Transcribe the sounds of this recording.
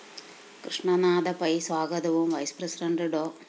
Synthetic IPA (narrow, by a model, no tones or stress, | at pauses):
kɾiʂɳɐnaːd̪ɐpɐjsʋaːɡɐd̪ɐʋumʋɐjspɾɐsɾɐɳɖɐɖoː